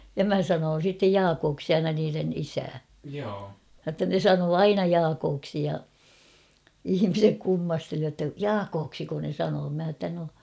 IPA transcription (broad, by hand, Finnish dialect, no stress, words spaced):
jɑ mæ sɑnoːn̞ sitːej jɑːkoːksi ɑinɑ niːren isæː j̆otːɑ ne sɑnoː ɑinɑ jɑːkoːksi jɑ ihimisek kumːɑsteli jotːɑ jɑːkoːksiko ne sɑnoː mæ h̞ɑ tːæ no